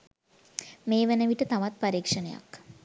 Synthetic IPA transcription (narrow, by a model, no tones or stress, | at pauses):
meːʋenəʋiʈət̪aʋat̪̚paɾiːkʂənəja̰k